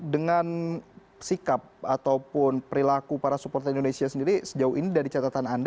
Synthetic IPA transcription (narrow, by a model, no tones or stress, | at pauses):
dəŋan | sikap̚at̪awpʊnpəɾilakupaɾasupɔrt̪əɾindonesiasəndiɾisəd͡ʒauhinidaɾit͡ʃat̪at̪anand